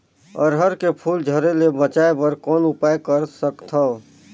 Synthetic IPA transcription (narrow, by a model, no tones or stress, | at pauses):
ə̰ɾɦəɾkepʰuld͡ʒʱəɾelebət͡ʃaebəɾkɔːnupajkəɾsəkt̪ʰə